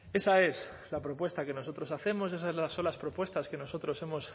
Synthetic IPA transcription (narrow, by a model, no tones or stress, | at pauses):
e̞sae̞s | lapɾo̞pwe̞st̪ake̞no̞so̞t̪ɾo̞saθe̞mo̞s̬e̞s̬aezlaso̞nlaspɾo̞pwe̞st̪aske̞no̞so̞t̪ɾo̞se̞mo̞s